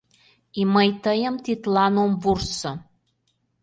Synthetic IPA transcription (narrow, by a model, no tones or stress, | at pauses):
iməjt̪əjə̆mt̪it̪lɑnomvursŏ